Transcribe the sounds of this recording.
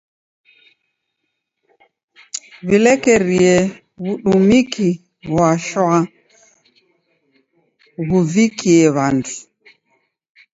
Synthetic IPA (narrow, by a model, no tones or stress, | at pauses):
βilɛkɛɾiɛ | βuɗumiki | βwaʃwa | ɣuvikiɛβantʰu̥